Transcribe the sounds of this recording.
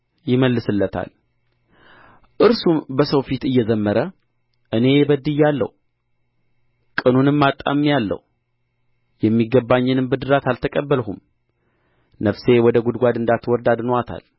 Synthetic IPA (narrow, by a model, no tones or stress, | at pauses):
jɪməlːɨsɨlːət̪ʰa̰l | ʔɨɾsumbəsəwfit̪ɨjːɛzəmːəɾə | ʔɨne̞bəd̪ɨjːalːə̰h | kʼɨnunɨmːat̪ʼːa̰mːjalːə̰hu | jɛmːiɡəbːaɲːɨnɨmbɨd̪ɨɾat̪ʰalt̪ʰəkʼəbːəlɦum | nəfse̞wɔd̪əɡud̪ɡʷad̪ɨnd̪at̪wɔɾd̪ad̪nat̪ʰa̰l